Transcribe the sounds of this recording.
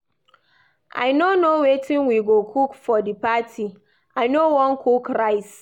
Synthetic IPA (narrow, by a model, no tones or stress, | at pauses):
ʔa̰ɪnonowetʰɪ̃nwiɡokʰukfɔdɨpatʰi | aɪnowɔ̃nkʰukɾaɪs